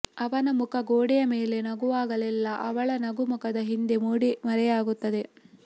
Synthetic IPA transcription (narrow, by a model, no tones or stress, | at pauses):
ɐʋɐnɐmukʰɐɡoːɽijɐme̞ːle̞nɐɡuʋaːɡɐlɛlːɐʔɐʋɐɭɐnɐɡumukɐd̪ɐɦind̪e̞muːɽimɐɾɛjaːɡut̪ːɐd̪e̞